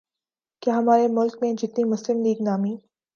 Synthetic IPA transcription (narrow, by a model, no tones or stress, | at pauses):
kjaːɦɐmaːɾemʊlk̚mẽd͡ʒɪt̪nimʊslɪmliːɡnaːmĩː